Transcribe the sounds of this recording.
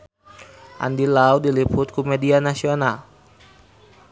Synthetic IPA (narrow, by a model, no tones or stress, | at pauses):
ʔa̰ndilawdilipʰut̪̚kumedianasional